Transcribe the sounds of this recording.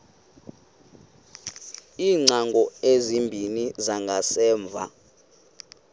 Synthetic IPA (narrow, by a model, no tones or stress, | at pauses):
iːŋ͡ǀaŋɡʱɔezimbʱinizaŋɡʱasɛːɱb̪vʱa̰